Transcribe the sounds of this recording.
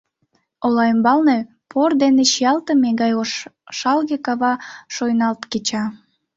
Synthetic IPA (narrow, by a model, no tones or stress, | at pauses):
olɑəmbɑlne | pʰord̪eneʃijɑlt̪əmeɣɑjoʃɑlɣekɑβɑʃojnɑlt̪ket͡ɕɑ